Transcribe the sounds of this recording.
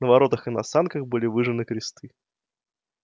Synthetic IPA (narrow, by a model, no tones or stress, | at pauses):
nəvɐɾo̞t̪əxɨnɐsankəxbɨlʲɪvɨʐɨnɨkɾʲɪst̪ʰɨ